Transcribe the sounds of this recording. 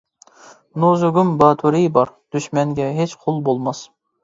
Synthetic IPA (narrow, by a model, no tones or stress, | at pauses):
nozʊɡʲumbɑːt̪ʰuɾijbɑɾd̪̥yʃmɛŋɡʲɛɦet͡ʃqʰolˠbolˠmɑs